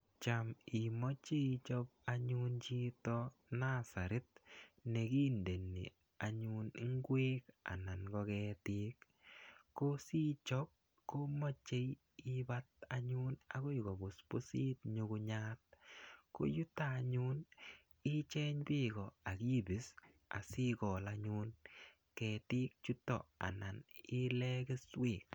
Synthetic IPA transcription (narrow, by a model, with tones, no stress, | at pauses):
t͡ʃa˨mi˨mɔ˦t͡ʃe˦t͡ʃɔ˦p̚a˦ɲu˦nt͡ʃi˦tɔ˦na˦sa˨ɾɪ˦t̚nɛ˨ki˦nde˨nḭ˨ | a˨ɲu˧n˦ŋɡwe˦ka̰˨na˨nɡɔ˧kɛtɪ˦kː | o˦si˦t͡ʃɔ˦p̚ | ko˦mɔ˦t͡ʃe˦j | i˦ba˦t̚a˦ɲu˦na̰˦ko˦jɡɔ˨bʊ˨spo˦siː˦t̚ɲu˧kʊ˧ɲa˦t̚ko̰˦ju˦taː˦˨ɲu˦n | i˦t͡ʃɛ˦ɲpi˦ɡɔ˨a˨ki˦bi˨˦s | a̰˨si˦kɔ˨la˦ɲu˦n | kɛ˨ti˦k̚t͡ʃu˦tɔ̰˨a̰˨na˨nɪ˦lɛ˦ke˦sweː˨k̚